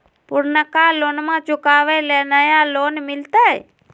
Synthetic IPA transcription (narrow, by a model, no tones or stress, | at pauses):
pʊɾnəkaloːnmãːt͡ʃʊkaːʋeleːnəjaloːnmɪlt̪aːe